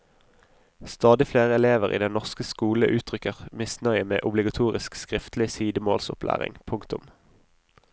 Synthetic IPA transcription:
st̪ɑːd̪ɪfleːʁəɛleːʋəʁḭːd̪ɛnɔʁskəskuːləʔʉːt̪ʰʁʏkəʁmɪsnœʏəmḛːʔʊblɪɡɑt̪ʰuːʁɪskskʁɪft̪lɪsiːd̪əmoːlsʊplʔæ̰ːʁɪ̰ŋpʰʊŋkt̪ʊm

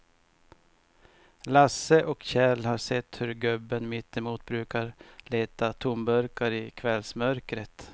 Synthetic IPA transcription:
lasəʔɔkɕɛlhaɾʂɛt̪ːhɵɾɡɵbːənmɪt̪ːɛmuːt̪̚bɾʉ̟ːkaɾleːt̪at̪ʰʊmbœɾkaɾɪkʰvɛlsmœɾkɾət̪

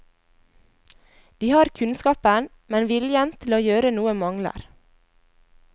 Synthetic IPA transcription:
d̪̥iːhɑːɾkʰʉnskɑːpən | mɛnʋɪljɛnt̪ʰɪloːjøːɾənuːəmɑŋlə̰ɾ

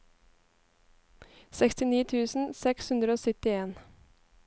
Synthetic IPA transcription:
sɛkst̪ɪniːt̪ʰʉːsn̩sɛkshʉnd̪ɾəoːsʏt̪ɪeːn

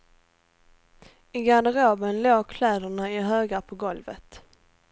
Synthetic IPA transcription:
ɪɡanəɾoːbənloːɡkʰlɛːd̪əɳaɪɦøːɡapʰɔɡɔlvə̰t̪

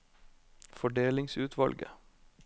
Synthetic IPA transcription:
fɔɖeːlɪŋsʉːt̪ʰʋɑlɡə̰

